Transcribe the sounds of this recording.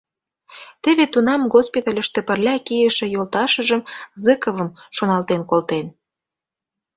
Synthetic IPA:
t̪ə̆βet̪unɑmɡospit̪ɑlʲə̆ʃt̪ĕpə̆rlʲɑkijəʃĕjolt̪ɑʃə̆ʒəmzɨkəβə̆mʃonɑlt̪enkolt̪en

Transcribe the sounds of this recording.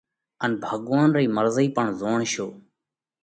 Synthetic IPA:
ənbʱəɠʋaːnɾəiːməɾziːpəɳzoːɳʃoː

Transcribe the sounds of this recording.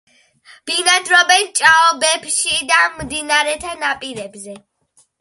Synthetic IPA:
b̥inad̪ɾɔbɛnt͡ʃʼaɔbɛbʃid̪ammd̪inaɾɛt̪ʰanapʼiɾɛbzɛ

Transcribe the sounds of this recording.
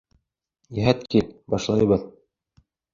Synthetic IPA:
jæɦæt̪kilbɑʃlˠɑj̆βɤð

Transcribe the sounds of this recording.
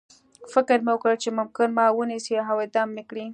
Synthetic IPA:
fɪkɪɾmewəkɽət͡ʃemʊmkɪnmɑwənisiaɦawed̪ɑmːekɽi

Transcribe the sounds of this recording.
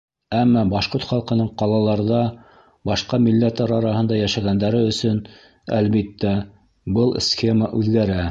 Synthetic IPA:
æmːɑbɑʃqoɾt̪χɑlˠqɤ̆nɤɴqɑlˠɑlˠɑɾðɑ | bɑʃqɑmilːæt̪ɑɾɑɾɑhɤ̆nd̪ɑjæʃæɣænd̪æɾɘɵ̆sɵn | æ̰lβit̪ːæ | bɤlˠsxʲe̞maʔʉðɡæɾæ

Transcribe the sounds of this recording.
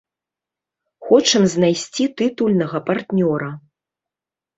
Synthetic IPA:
xɔt͡ʂɨmzʲnajsʲt͡sʲit̪ɨt̪ulʲnɐɣɐpart̪nʲɔɾɐ

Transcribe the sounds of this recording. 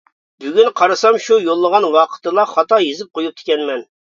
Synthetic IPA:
byɡʲynqʰɑɾɨsɑmʃujolˠːəʁɑnwɑqʰə̥t̪ɨlˠɑχɑt̪ɑjezɪp̚qʰojup̚t̪ʰɪ̥kʲɛnmɛn

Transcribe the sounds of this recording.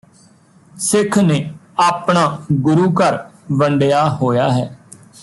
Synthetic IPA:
sɪkʰnẽːaːpɳãːɡʊɾuːkəɾʋəɳɖejaːɦoːjaːɦɛː

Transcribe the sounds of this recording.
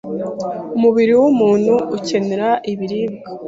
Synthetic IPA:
umuβiɾiwumuːnhuːce̞ne̞ɾaʔiβiɾibɡa

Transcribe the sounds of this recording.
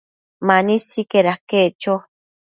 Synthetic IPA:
manisikeɾahket͡ʃo

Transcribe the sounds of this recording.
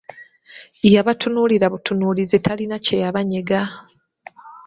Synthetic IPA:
ijaβatʰunuliɾaβutʰunulizitʰalinacejaβaɲeɡa

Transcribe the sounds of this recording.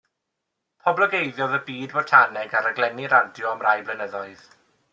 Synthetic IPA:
pʰɔblˠɔɡejðjɔðəbiːdwɔtʰanɛɡaɾəɡlˠɛniɾadjɔamrajblənəðɔɨð̥

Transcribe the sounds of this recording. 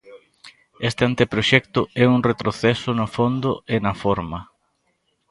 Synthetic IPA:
est̪eant̪epɾoʃɛkt̪ʊɛuŋret̪ɾoθɛsʊnʊfond̪ʊenɐfoɾmɐ

